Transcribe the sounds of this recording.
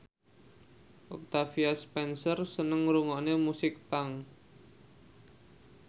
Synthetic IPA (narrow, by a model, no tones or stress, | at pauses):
ʔɔk̚t̪afiaspɛnsərsənəŋɾuŋɔnemusɪk̚paŋ